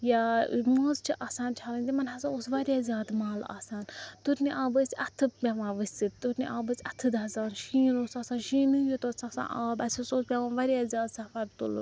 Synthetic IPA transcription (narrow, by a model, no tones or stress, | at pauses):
jamoːzt͡ʃʰiʔaːsaːnt͡ʃʰaːlɐnʲd̪imɐnɦɐsaːoːsʋɐɾʲjaːzʲjaːd̪maːla̰ːsaːnt̪uɾniʔaːbəsʲɐt̪ʰɨpʲaʋãːʋɨsʲsɨt̪uɾniʔaːbəsʲɐt̪ʰɨd̪ɐːzaːnʃiːnoːsaːsaːnʃiːnɨjit̪osasã̰ːʔaːbɐsʲusoːspʲaʋãːnʋɐɾjaːzʲaːd̪sɐfɐɾt̪ṵl